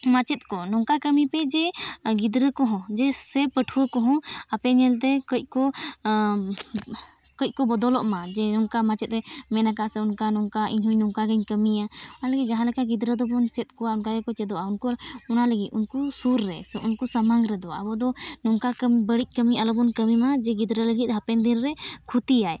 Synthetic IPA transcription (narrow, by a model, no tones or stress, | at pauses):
mat͡ʃɛt̪̚ˀkɔnɔŋkakəmipɛd͡ʒɛɡid̪ɾəkɔɦɔ̃d͡ʒɛsɛpəʈʰuəkɔɦɔ̃apɛɲɛlt̪ɛkəc̚ˀkɔ | kəc̚ˀkɔbɔd̪ɔlɔʔmad͡ʒɛnɔŋkamat͡ʃɛt̪̚ɾɛmɛnakaʔsɛunkanɔŋkaʔiɲɦuɲnɔŋkaɡəɲkəmiaɔaləɡit̪̚d͡ʒaɦãlɛkaɡid̪ɾəd̪ɔbɔnt͡ʃɛt̪̚ˀkɔwaunkaɡɛkɔt͡ʃɛd̪ɔʔaunkuunaləɡit̪unkusuɾːɛsɛʔunkusamaŋɾɛd̪ɔa̰bɔd̪ɔnɔŋkakəmbəɽic̚ˀkəmialɔbɔnkəmimad͡ʒɛɡid̪ɾələɡit̪̚ˀɦapɛnd̪inɾɛkʰut̪ijaj